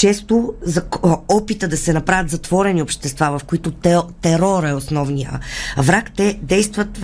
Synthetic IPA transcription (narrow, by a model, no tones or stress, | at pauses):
t͡ʃɛst̪ozɐɔpit̪əd̪ɐsɛnɐpɾavʲjət̪zɐt̪vɔɾɛniopʃt̪ɛst̪vavɐfkoit̪ot̪ɛɾɔɾɛosnɔvnijə̰vɾakt̪ɛd̪ɛjst̪vɐt̪